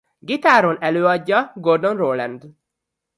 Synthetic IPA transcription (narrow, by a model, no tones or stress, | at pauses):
ɡit̪aːɾonɛløːɒɟːɒɡo̞rd̪o̞nroːlɛnd̪